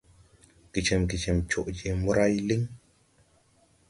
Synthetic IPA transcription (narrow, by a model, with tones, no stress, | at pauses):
ɡ̥i˨t͡ʃɛ˨mɡi˨t͡ʃɛ˨mt͡ʃo˨ʔji˨mu˦ɾa˦jli˦ŋ